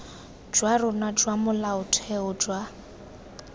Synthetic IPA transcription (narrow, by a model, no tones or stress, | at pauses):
d͡ʒwarʊnad͡ʒwamʊlaʊtʰɛʊd͡ʒwa